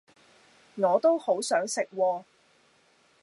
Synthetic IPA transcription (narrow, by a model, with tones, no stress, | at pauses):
ŋɔː˨˧t̪o˥who˨˥wsœː˨˥ŋsɪ˨k̚wɔː˧